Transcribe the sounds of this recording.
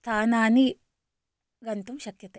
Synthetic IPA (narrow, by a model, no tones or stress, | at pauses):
st̪ʰaːnaːni | ɡɐnt̪umʃɐkjɐt̪e